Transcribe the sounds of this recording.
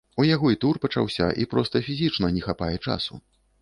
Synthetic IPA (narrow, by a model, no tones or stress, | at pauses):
ujaɣɔit̪urpɐt͡ʂa̰wsʲɐ̰ʔḭpɾɔst̪ɐfʲizʲit͡ʂnɐnʲɛxapajɛt͡ʂa̰sṵ